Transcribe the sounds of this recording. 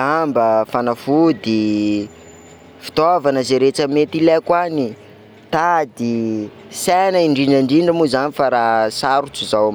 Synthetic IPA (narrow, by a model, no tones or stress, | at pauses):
ambəfanafud̪i | fi̥t̪ovanəzeɾet͡ʃəmet̪ilekwani | t̪ad̪i | sanaiɳɖ͡ʐinaɳɖ͡ʐiɳɖ͡ʐəmuzanifaɾasaɾut͡suzawm